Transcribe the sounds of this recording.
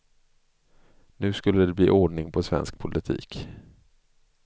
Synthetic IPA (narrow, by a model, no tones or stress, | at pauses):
nʉ̟ːskɵlːəd̪ɛblḭːʔoːɖɳɪŋpʰɔsvɛ̰nsk̚pʰʊlʔɪt̪ʰḭːk